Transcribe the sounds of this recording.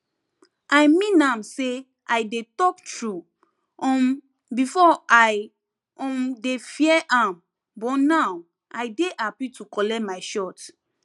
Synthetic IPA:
ajmĩnãmse | ʔaɪdetɔktɹu | ɔ | bifɔaj | ɔ̃mdefiɛʔãm | bɔtnaw | ʔaɪdeʔapitukɔlɛtmaɪʃɔt

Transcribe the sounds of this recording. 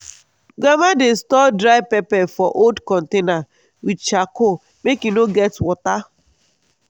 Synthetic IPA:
ɡamadestɔdɾaɪpɛpɛfɔʔoldkɔ̃n̩tena | widt͡ʃako | mekinoɡɛtwɔta

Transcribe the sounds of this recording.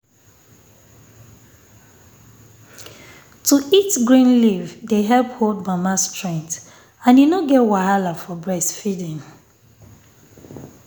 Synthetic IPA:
tʰuʔitɡɹĩnlivdeɦɛlphodbamastʰɹɛ̃ŋt | ãnjunoɡɛtwaɦalafɔbɹɛsfidĩn

